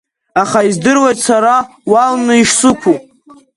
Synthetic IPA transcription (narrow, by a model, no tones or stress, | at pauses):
aχaizdɨrwejtʼsaɾa | walnɨiʂsɨkʷʰupʼ